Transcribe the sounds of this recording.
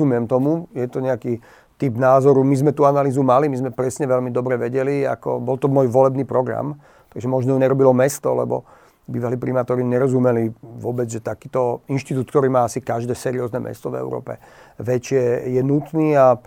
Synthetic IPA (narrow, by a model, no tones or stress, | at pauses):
umɪɛmt̪ɔmujɛt̪ɔɲɛaki | t̪ibnaːzɔɾumizmɛt̪uːanaliːzumalimizmɛpɾɛsɲɛʋɛlmid̪ɔbɾɛʋɛɟɛlia̰kɔ̰bɔlt̪ɔmɔːjʋɔlɛbniːpɾɔɡɾa̰m | t̪aɡʒɛmɔʒnɔjɔɲɛɾɔbilɔmɛst̪ɔ̰lɛ̰bɔ̰ | biːʋaliːpɾimaːt̪ɔɾiɲɛɾɔzumɛliʋʊɔbɛd͡zʒɛt̪akiːt̪ɔinʃt̪it̪uːt̪kt̪ɔɾiːmaːasikaʒd̪ɛːsɛɾiɔːznɛmɛ̰st̪ɔvɛ̰ʊɾɔ̰ːpɛ̰ʋɛt͡ʃɪɛjɛnut̪niːa